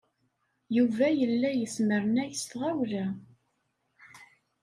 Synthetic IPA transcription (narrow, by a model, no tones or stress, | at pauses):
juvæjəlːæjəsməɾnæjəst̪ʁæwlæ